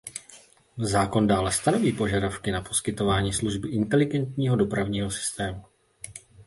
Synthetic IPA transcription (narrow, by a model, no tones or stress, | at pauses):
zaːko̞ndaːlɛst̪ano̞viːpo̞ʒadafkɪnapo̞skɪt̪o̞vaːɲiːsluʒbɪʔɪnt̪ɛlɪɡɛnt̪ɲiːɦo̞do̞pɾavɲiːɦo̞sɪ̥st̪ɛːmu